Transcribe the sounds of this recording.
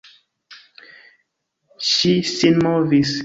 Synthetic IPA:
ʃisinmɔvis

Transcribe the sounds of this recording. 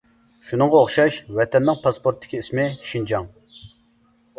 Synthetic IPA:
ʃunɨŋʁɑoχʃɑʃwɛt̪ʰɛnːɪŋpʰɑspoɾt̪ʰːɪ̥kʲiismɪʃind͡ʒɑŋ

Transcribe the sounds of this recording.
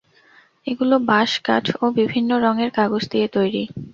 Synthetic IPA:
eɡulobaʃka̰ʈʰobibʱinːoɾɔŋeɾkaɡod͡ʑd̪iet̪ojɾi

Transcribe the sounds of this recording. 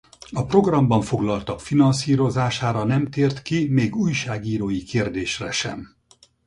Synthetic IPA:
ɒpro̞ɡrɒmbɒɱfo̞ɡlɒlt̪ɒkfinɒnsiːɾo̞zaːʃaːɾɒnɛmt̪eːrt̪kimeːɡuːjʃaːɡiːɾoːjikeːrd̪eːʃrɛʃɛ̰m

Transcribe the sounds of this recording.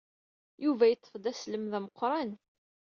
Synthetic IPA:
juvæjət͡s̪ːəfd̪æsləmðæməqːɾˤɑn

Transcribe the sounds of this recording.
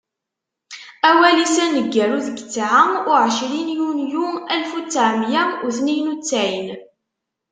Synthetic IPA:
æwælisænːəɡːæɾuðəɡət͡sːʕəmʊʕəʃɾinjunjuælfut͡sːaʕmjæʊθnijnut͡sːaʕin

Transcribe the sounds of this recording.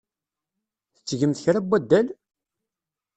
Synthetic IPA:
θə̥t͡sːʝəmθçɾæbːæd̪ːæl

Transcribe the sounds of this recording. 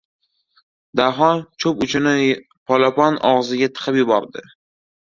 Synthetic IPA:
d̪aɦɒnt͡ʃʰɵpʊt͡ʃʰɪnɪ | pʰɒlˠapɒnɒ̰ʁzɪɡʲat̪ʰɨ̥qʰɨpjʊbɒɾd̪ɪ

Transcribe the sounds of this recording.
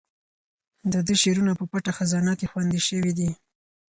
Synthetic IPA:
d̪əd̪əʃeɾunapəpaʈaxazɑnakexwand̪iʃəwid̪i

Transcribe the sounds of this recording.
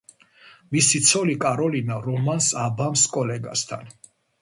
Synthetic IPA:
misit̪sʰɔlikʼaɾɔlinaɾɔmansabamskʼɔlɛɡa̰st̪ʰa̰n

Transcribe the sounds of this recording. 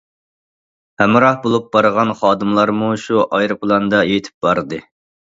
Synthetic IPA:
hɛmɾɑhbolˠup̚bɑɾʁɑnχɑːd̪ɨmlˠɑɾmuʃuʔɑjɾɨpʰlˠɑnd̪ɑjet̪ʰɪ̥p̚bɑɾd̪ɨ

